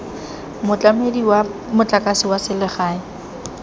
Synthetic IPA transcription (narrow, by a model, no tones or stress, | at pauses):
mʊt͡ɬʼamediwamʊt͡ɬʼakʼasɪwasɪlɪχaːɪ